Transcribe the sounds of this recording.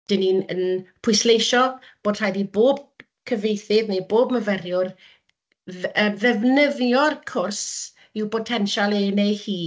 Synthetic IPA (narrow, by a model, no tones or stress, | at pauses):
d̥ɪniə̰npʰʊjslejʃɔ | b̥oːd̥r̥ajdiboːb̚ | kʰəvejθɪðnejboːbməvɛrjʊr | əːmðɛvnəðjɔrkʰʊrs | ɪwpʰɔtʰɛnʃalˠeːnejhiː